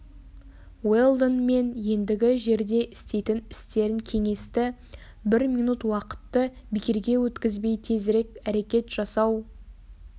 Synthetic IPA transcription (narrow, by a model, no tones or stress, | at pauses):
welˠd̪onme̞nje̞nd̪ɪɡʲɪʒe̞ɾd̪e̞ʔɪst̪e̞jt̪ɪnɪ̥st̪e̞ɾɪŋkʲʰe̞ŋe̞st̪ɪ | bɪɾmijnut̪wɑqə̥t̪ːə | bɪkʲɪɾɡʲe̞wɵt̪kʲɪzbe̞jt̪ʰe̞zɾe̞kʲæɾe̞kʲe̞t̪ʒ̥ɑsɑw